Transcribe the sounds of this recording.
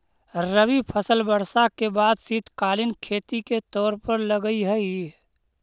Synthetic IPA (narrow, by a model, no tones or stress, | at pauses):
ɾəbipʰəsəlbəɾsakebaːd̪sit̪ʰkaːlinkʰeːt̪iket̪ɔːɾpəɾləɡəiɦɛi